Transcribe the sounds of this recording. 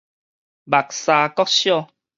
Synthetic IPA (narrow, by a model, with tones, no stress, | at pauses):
ba˨˩k̚sa˧kɔ˦k̚ɕjɔ˥˨